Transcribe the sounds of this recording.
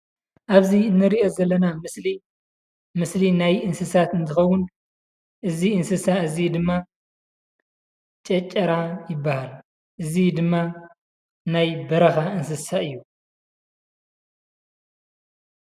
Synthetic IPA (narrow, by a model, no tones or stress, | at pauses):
ʔaβzinːɨɾiʔo̞zɐlːɐnamɨsli | mɨslinajɨnsɨsat̪ɨnt̪ʰɨxɐwʊn | ʔɨziɨnsɨsaɨzid̪ɨmːa | t͡ʃʼɐt͡ʃʼːɐɾajɪbːahal | ʔɨzid̪ɨmːa | najbɐɾɐxaɨns̬ɨsaɨjːu